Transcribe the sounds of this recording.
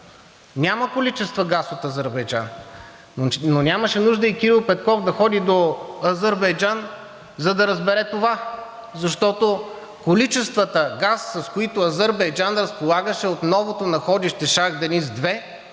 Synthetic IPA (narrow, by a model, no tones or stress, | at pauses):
nʲaməkolit͡ʃɛst̪vəɡasot̪ɐzəɾbɛjd͡ʒa̰n | nonʲaməʃɛnuʒd̪əikiɾilˠpɛt̪̚kɔfd̪ɐxɔd̪id̪oɐzəɾbɛjd͡ʒan | zɐd̪ɐɾəzbɛɾɛt̪ova | zɐʃt̪ɔt̪o | kolit͡ʃɛst̪vət̪əɡasːɐskoit̪oɐzəɾbɐjd͡ʒanɾəspolˠaɡəʃɛot̪nɔvot̪onɐxɔd̪iʃt̪ɛʃaɣd̪ɐnizd̪vɛ